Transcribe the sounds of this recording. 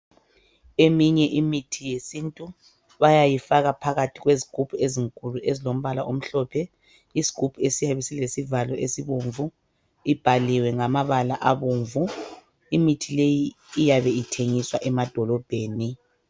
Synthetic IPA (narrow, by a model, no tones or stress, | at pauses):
emiɲɛʔimitʰijesintʼu | βajajifaɣapʰaɣatʰiɣweziɡ̥ʱupʰueziŋkʼuluʔezilom̩βalaʔom̩ɬɔpʰɛ | izi̥ɡ̥ʱupʰuesijaβɛsilesivalɔʔesiβuɱvu | ib̥ʱaliwɛŋamaβalaʔaβuːɱvu | imitʰilejiː | jaβɛitʰeŋiswaʔɛmad̥ʱɔlɔb̥ʱeːni